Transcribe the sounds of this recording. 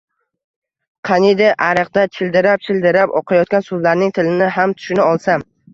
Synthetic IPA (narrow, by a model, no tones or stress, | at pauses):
qʰɑnid̪ɪʔaɾɨqd̪at͡ʃʰɪld̪ɪɾap̚t͡ʃʰɪld̪ɪɾapɒqʰajɒt̪̚kʲansʊzlaɾnɪŋt̪ʰɪlɪnɪɦamt̪ʰʊ̥ʃɪnɪɒlˠsam